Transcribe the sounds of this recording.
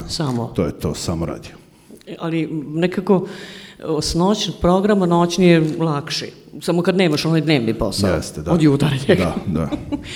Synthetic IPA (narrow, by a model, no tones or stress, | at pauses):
samot̪oːjɛt̪o̰ːsamoɾa̰ːd̪io | alinekako̞ | snoːt͡ɕnpɾoɡɾamanot͡ɕnijelˠakʃi | samokad̪neːmaʃonajd̪ne̞ːʋniposja̰ɛst̪ɛd̪aod̪juːt̪aɾjed̪ad̪a̰